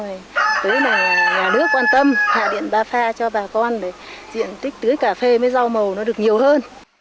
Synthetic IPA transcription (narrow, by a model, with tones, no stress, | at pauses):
jt̪əː˨˦jna˨˩jɲaː˨˩nɨ˦˥əkːwaː˧nt̪ə˧mha̰ː˧˨ɗḭ˧˨ənɓaː˧faː˧t͡ɕɔ˧ɓaː˨˩kɔ˧nɗe˧˩zḭ˧˨ənt̪ï˦˥k̟̚t̪ɨ˨˦əjkaː˧˩fe˧məː˨˦jza˧wmə˨˩wnɔ˨˦ɗɨ˨˩ək̚ɲi˨˩əwhəː˧n